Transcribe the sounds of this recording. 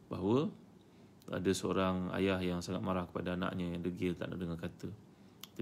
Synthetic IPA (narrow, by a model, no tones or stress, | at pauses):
baɦawə | a̰dəsəo̰ɾaŋa̰jahjaŋsaŋat̪̚maɾahkə̥padaana̰ʔɲəjaŋdəɡɪlt̪a̰ʔna̰ʔdəŋakat̪ə | t̪